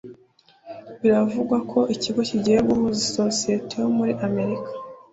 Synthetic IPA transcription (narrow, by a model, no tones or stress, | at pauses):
βiɾavuɡwakʰo̞ʔiciɡo̞ciɟieβumuziso̞sie̞te̞jomuɾiʔame̞ɾikḁ